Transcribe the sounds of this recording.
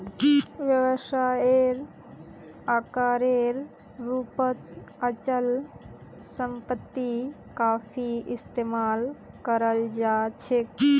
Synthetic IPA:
ʋjəwəʃaeɾ | aːkaːɾeɾ | ɾuːpət̪ət͡ʃəl | səmpət̪ːi | kaːpʰiʔɪst̪eːmaːl | kəɾəld͡ʒaːt͡ʃʰe

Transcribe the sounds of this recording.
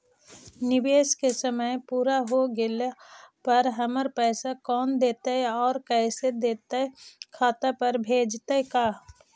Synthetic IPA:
nɪbeːskesəməjpuːɾaɦoɡɪlpɐɾɦəməɾpɛːsakɔːnd̪eːt̪aɦɛɔːɾkɛːsed̪eːt̪aɛkʰaːt̪apəɾbʱeːd͡ʒt̪akaː

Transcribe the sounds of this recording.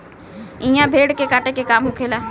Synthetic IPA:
ĩjãːbʱeːɽkekaːʈekekaːmɦʊkʰeːlaː

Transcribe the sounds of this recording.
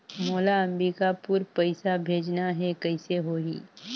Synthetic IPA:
moːlaɐmbikapuɾpɐɪsabʱeːd͡ʒnaɦɛkɐɪseɦoːḭː

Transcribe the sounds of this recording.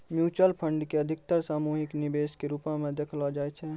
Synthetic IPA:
mjuːt͡ʃəlpʰəɳɖkeəd̪ʱɪk̚t̪əɾsaːmuɦiknibeːskeɾupamẽd̪ekʰlɔd͡ʒaːɛt͡ʃʰɛ

